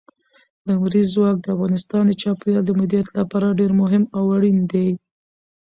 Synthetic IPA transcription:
d̪amɾizwɑk̚d̪əafɣɑnɪst̪ɑnd̪ət͡ʃɑpjɑld̪əmɪd̪ijat̪lapɑɾaɖeɾmʊɦɪmawaɽind̪ej

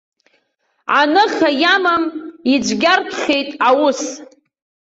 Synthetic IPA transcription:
ʕanɨχʲajamamid͡ʒʷɡʲarpʰχʲe̞jtʼawʊs

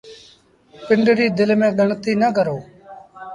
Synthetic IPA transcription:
pɪɳɖɾiːd̪ɪlmẽːɠəɳt̪iːnəkəɾoː

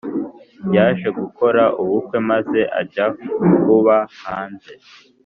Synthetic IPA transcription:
jaːʒe̞ɡuko̞ɾaʔuβukwe̞maze̞ʔa̰ɟakuβahaːnze̞

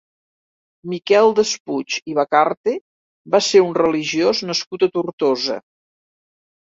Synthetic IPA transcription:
mikɛlˠd̪əsput͡ʃiβəkaɾt̪e | βaseɾunrəliʒioznəskut̪ət̪urt̪ozə̰

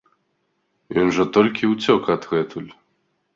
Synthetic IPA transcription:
jɔnʐɐt̪ɔlʲkʲiwt͡sʲɔkɐd̪ɣɛt̪ʰulʲ

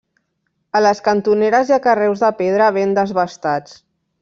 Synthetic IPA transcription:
ələskənt̪uneɾəziakərɛwzðəpeð̞ɾəβ̞end̪əzβəst̪at͡s

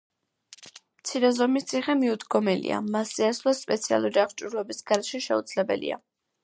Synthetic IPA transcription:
mt̪sʰiɾɛzɔmist̪sʰiχɛmiud̪ɡɔmɛlḭa̰masːiaslˠaspʼɛt̪sʰia̰lˠuɾiaχt͡ʃʼuɾlˠɔbisɡaɾɛʃɛʃɛṵd̪z̥lɛbɛ̰lḭa̰

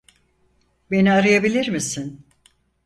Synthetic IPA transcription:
be̞niaɾɯjabilʲiɾmisin

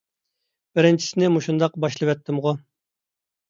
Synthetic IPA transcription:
b̥ɪɾɪnt͡ʃʰi̥sɪnɪmuʃund̪ɑqbɑʃlˠɨwɛt̪ʰːɪmʁʊ

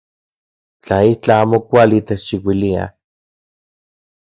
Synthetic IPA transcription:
t͡ɬait͡ɬaaːmokʷalit̪eʃiwilia̰

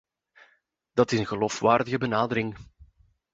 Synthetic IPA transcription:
d̥ɑtɪsənɣəlofʋaːrdəɣəbənaːdəɾɪŋ

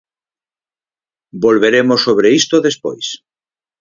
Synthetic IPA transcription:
bolβeɾemosːoβɾeist̪oðespo̰js

